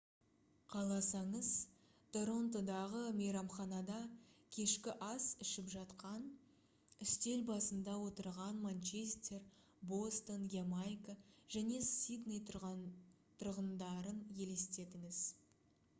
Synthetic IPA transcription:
qʰɑlˠɑsɑɴəzt̪ʰo̞ɾo̞nt̪o̞d̪ɑʁəmejɾɑmχɑnɑd̪ɑkʲʰe̞ʃkʲɪʔɑsɪʃɪpʒɑt̪qɑn | ʏst̪e̞lbɑsənd̪ɑwo̞t̪əɾʁɑnmant͡ʃe̞st̪ʲe̞r | bo̞st̪onɡʲemajkaʒ̥æne̞sid̪nej̪ | t̪ʰʊɾʁənd̪ɑɾənje̞le̞st̪e̞d̪ɪŋɪz̥

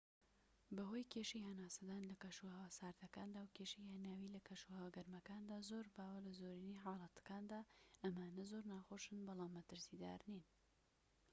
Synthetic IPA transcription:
bɐɦojkʰeʃijhɐnaːsɐd̪aːnlɐkɐʃuhɐwasaːɾd̪ɐkaːnd̪aːwkʰeːʃijhanaːwiːlɐkʰɐʃuhɐwɐɡɐɾmɐkaːnd̪aːzoːɾbaːwɐlɐzoːɾiniħaːlˠɑt̪ɐ̥kaːnd̪aːʔɐmaːnɐzoːɾnaːxoʃɨnbɑlˠaːmːɐt̪ɨɾsiːd̪a̰ːɾnin

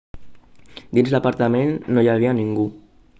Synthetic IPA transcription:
d̪inzlapaɾt̪amenːojaβ̞ianiŋɡu

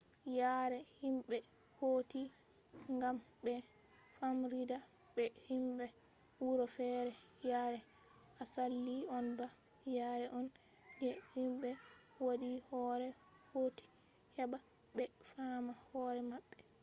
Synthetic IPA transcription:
jaːɾɛhimɓɛhoːtiŋɡambɛfamɾidabɛhimɓɛwuɾɔfɛːɾɛjaːɾɛʔasalːiɔnbajaːɾɛʔɔnd͡ʒɛhimɓɛwodihɔːɾɛhoːti̥hɛbabɛfamahɔːɾɛmaɓːɛ

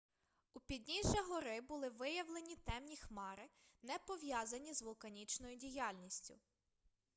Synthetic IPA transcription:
upʲid̪ʲnʲiʒɐɦɔɾɪbʊlˠɪʋɪjɐʋlˠenʲit̪ɛmnʲixmɑɾɪnɛpɔʋjɑzɐnʲizʋɔlˠkɐnʲit͡ʃnɔjʊdʲijɑlʲnʲisʲtʲʊ̰

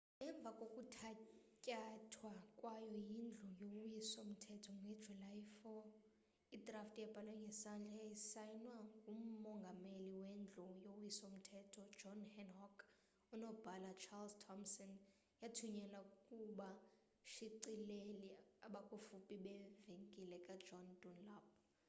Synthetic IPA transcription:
ɛɱb̪vʱakʼokʼutʰacʼatʰwakʼwajɔjind͡ɮʱujoujisom̩tʰɛtʰɔŋɛ̥d͡ʒulajfɔ | id̥ʱraftʼjɛb̥ʱalwɛŋɡʱɛsand͡ɮʱajjisajnwaŋɡʱum̩mɔŋɡʱameliwend͡ɮʱujowjisom̩tʰɛtʰɔ̥d͡ʒɔnhɛnhɔkʰ | unɔb̥ʱalat͡ʃʰalztʰɔmsɔn | jatʰuɲɛlakʼuɓa | ʃiǀileliaɓakʼufupʼiɓɛveŋkʼilɛkʼḁd͡ʒɔndunlab̚

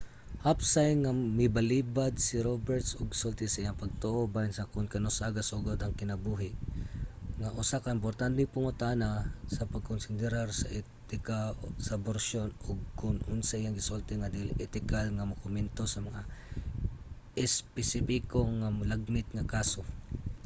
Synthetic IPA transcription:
hapsajŋamɪbalibad̪̚sɪɾobɛɹt̪sʔoɡsolt̪ɪsɐʔijaŋpɐɡ̚t̪oʔobajɪnsɐkʊnkɐnosaɡasoɡod̪ɐŋkɪnɐbuɦɪ | ŋaʔʊsakɐʔɪmp̬oɾt̪ant̪ɪŋpʊŋʊt̪anasɐpɐɡ̚konsɪnd̪ɛɾaɾsɐʔɛ | t̪ɪkasɐboɾsonoɡ̚kʊnʔʊnsɐʔijaŋɡɪsolt̪ɪŋad̪ilʔɛt̪ɪkalŋamɐkʊmɛnt̪osɐmɐŋa | ʔɪspɛsɪpikoŋamlaɡ̚nɪt̪̚ŋɐkaːso̞

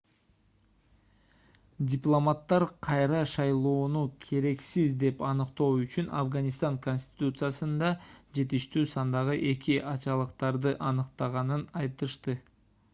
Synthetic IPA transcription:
dʲɪplˠo̞mat̪ːɑɾqʰɑjɾɑʃɑjlˠo̞ːnukʲʰe̞ɾe̞ksizd̪e̞pɑnɯqt̪o̞ːyt͡ʃynɑ̰fɡɑnʲist̪ɑŋko̞nʲsʲt̪ʲɪ̥t̪ut̪sɨjasɯnd̪ɑd͡ʒe̞t̪iʃt̪yːsɑnd̪ɑʁɯʔe̞kʲiʔɑt͡ʃɑlˠɯqt̪ɑɾd̪ɯʔɑnɯqt̪ɑʁɑnɯnɑjt̪ɯʃt̪ɯ

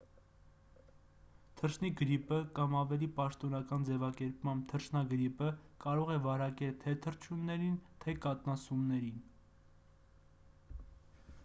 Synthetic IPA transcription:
t̪ʰəɾʃʰniɡəɾipəkɑmɑvɛlipɑʃt̪ɔnɑkɑnd͡zɛvɑkɛɾpmɑmb̚t̪ʰəɾʃʰnɑɡəɾipəkɑɾɔʁɛvɑɾɑkɛlt̪ʰɛt̪ʰəɾt͡ʃʰunːɛɾint̪ʰɛkɑt̪nɑsumnɛɾin

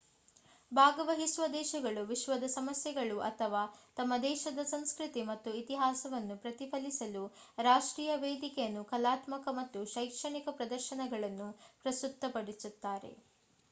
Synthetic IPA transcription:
bʱaːɡɐʋɐɦisʋɐd̪ɛːʃɐɡɐɭuʋiʃʋɐd̪ɐsɐmɐsjɛɡɐɭuʔɐt̪ʰɐʋaːt̪ɐmːɐd̪ɛːʃɐd̪ɐsɐnskɾit̪imɐt̪ːuit̪iɦaːsɐʋɐnːupɾɐt̪ipʰɐlisɐlu | ɾaːʂʈɾiːjɐʋeːd̪ikɛjɐnːukɐlaːt̪mɐkɐmɐt̪ːuʃɐjkʂɐɳikɐpɾɐd̪ɐɾʃɐɳɐɡɐɭɐnːupɾɐst̪ut̪ːɐpɐɽisut̪ːaːɾe̞̰

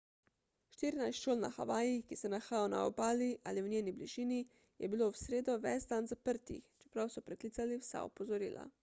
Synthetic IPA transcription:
ʃt̪iːɾinajsʃoːlna̰xa̰ʋaːjixkisɛnaxaːjawna̰ɔbaːliʔaːliwnʲeːnibliʒiːni | jɛbilowsɾeːd̪ɔʋɛzd̪anzapəɾt̪ḭxt͡ʃɛ̥pɾawsɔpɾɛklit̪saliwsa̰ɔ̰pɔzɔɾḭːla̰

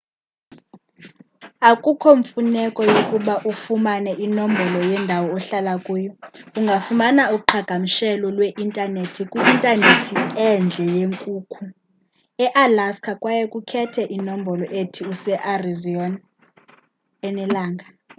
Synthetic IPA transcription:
akʼukʰoɱfunɛkʼɔjokʼuɓaʔufumanɛʔinombʱɔlɔjɛndʱawɔːɬalakʼuːjɔuŋɡʱafumanaukʼuǃʰaɡ̥ʱamiʃɛlɔlweʔintʼanetʰikʼwuintʼanetʰiɛnd͡ɮʱɛjeŋkʼuːkʰu | ɛʔalaskʰakʼwajɛkʼukʰɛtʰɛʔinom̩bʱɔlɔʔetʰiusɛʔarizɔn | ɛnɛlaːŋɡʱa

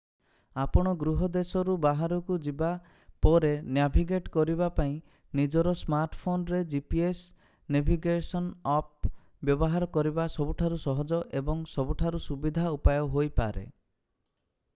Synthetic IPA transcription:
apɔɽ̃ɔɡɾuɦɔd̪esɔɾubaɦaɾɔkud͡ʒiba | pɔɾenjabʱiɡeʈkɔɾibapaĩ | nid͡ʒɔɾɔsmaɾʈpʰonɾed͡ʒipies | nebʱiɡesɔnɔp̚ | bjɔbɔɦaɾɔkɔɾibasɔbuʈʰaɾusɔɦɔd͡ʒɔʔebɔŋsɔbuʈʰaɾusubid̪ʱaupajɔɦojpa̰ɾḛ

